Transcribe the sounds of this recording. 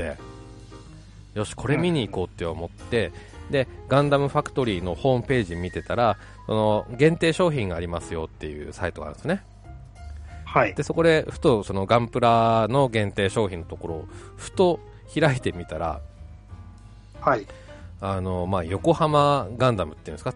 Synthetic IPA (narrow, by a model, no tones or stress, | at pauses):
ḛ | jo̞ɕi̥kʰo̞ɾe̞mʲiɲ̟iːko̞ːt̪ːeomo̞t̪ːe̞ | d̪e̞ɡãnd̪amɯ̟ɸakɯ̟̥t̪o̞ɾʲiːno̞ho̞ːmɯ̟pe̞ːʑimʲit̪e̞t̪aɾa | so̞no̞ɡẽ̞nt̪e̞ːɕo̞ːçĩŋɡaːɾʲimasɨjo̞t̪ːe̞jɯ̟̰ːsait̪o̞ɡa̰ɾɯ̰̃sɨne | haid̪e̞soko̞d̪e̞ɸɯ̟̥t̪o̞so̞no̞ɡãmpɯ̟ɾano̞ɡẽ̞nt̪e̞ːɕo̞ːçʲĩno̞t̪o̞ko̞ɾo̞ː | ɸɯ̟̥t̪o̞ | çiɾait̪e̞mʲit̪aɾa̰ | ha | ano̞maːjo̞ko̞hamaɡãnd̪amɯ̟t̪ejɯ̟̃nska